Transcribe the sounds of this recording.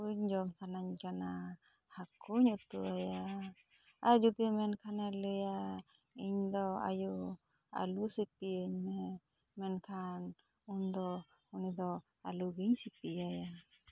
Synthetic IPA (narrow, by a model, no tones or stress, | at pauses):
uɲd͡ʒɔmsanaɲkana | hakuɲut̪uaja | ad͡ʒud̪imɛnkʰanɛlɛja | iɲd̪ɔa̰ju | a̰lusit̪iəɲmɛ | mɛnkʰan | und̪ɔ | unid̪ɔ | a̰luɡiɲsip̪iaja